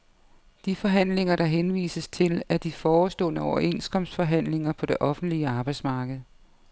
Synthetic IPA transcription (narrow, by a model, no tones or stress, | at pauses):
d̥ifɒ̽ɦæn̰le̝ŋɐɾɑ̈ɦenʋḭːsəst͡sʰe̝læɐd̥ifɒːsd̥ɔ̰̽ːnəɒʊɐʔe̝nskʰɒ̽msfɒ̽ɦæn̰le̝ŋɐpʰɒ̽d̥e̝ʔɒ̽fn̩d̥liəɑ̈ːb̥ɑ̈ɪdsmɑ̈ːɡ̥ð̩ˠ